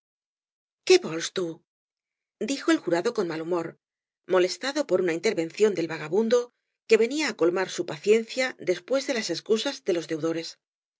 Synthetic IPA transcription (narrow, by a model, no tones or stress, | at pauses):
ke̞βo̞lst̪u | d̪ixo̞e̞lxuɾaðo̞ko̞nmalumo̞ɾ | mo̞le̞st̪aðo̞po̞ɾunaint̪e̞ɾβẽ̞nθjo̞nd̪e̞lβaɣ̞aβund̪o̞ | ke̞βe̞niaːko̞lmaɾsupaθje̞n̟θjad̪e̞spwe̞zðe̞lase̞skusazðe̞lo̞zðe̞wðo̞ɾe̞s